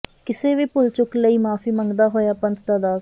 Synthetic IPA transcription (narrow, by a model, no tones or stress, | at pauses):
kɪseːʋiːpʊlt͡ʃʊkləiːmaːfʰiːməŋɡd̪aːɦoːjaːpənt̪t̪aːd̪aː